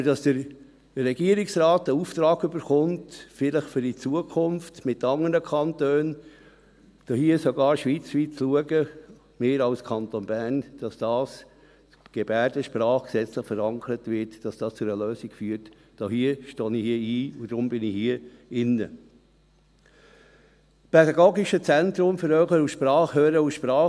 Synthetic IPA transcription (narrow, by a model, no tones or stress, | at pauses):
əd̥ɑsd̥əɾ | rɛɡiəɾɪksɾɑːtəuːft̪ɾɑːɡʏbəɾχʊntfɪləχfʏɾdit͡suəkʰʊnftmɪtːɑŋəɾəkʰɑntøːn | d̥oːhiəsoɡɑːɾʃʋiːt͡sʋiːtt͡sluəɡə | meːɾɑʊskʰɑnt̪onbæɾnd̥ɑsd̥ɑːs | ɡ̥ebæːdəʃpɾɑːχksɛt͡slɪχfəɾɑŋkʰəɾətʋɪɾtd̥ɑsd̥ɑːst͡sʊɛəløːsikfyːət | d̥ɔːhiːəʃtoːnihiəiːud̥ɾʊmbɪnihiːəɪnːə | spʰedɑɡoːɡɪʃət͡sɛntɾʊmfəɾøχəɾuʃpɾɑːχhøːɾəuʃpɾɑː